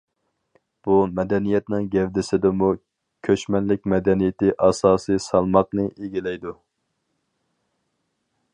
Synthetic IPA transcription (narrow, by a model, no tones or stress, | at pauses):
b̥umɛd̪ɛnijɛt̪nɨŋɡʲɛvd̪ɪsɪd̪ɪmu | kʲʰøʃmɛnlɪk̚ʲmɛd̪ɛnijɪt̪ɪʔɑsɑːsɨsɑlˠmɑqnɨʔeɡʲilɛjd̪u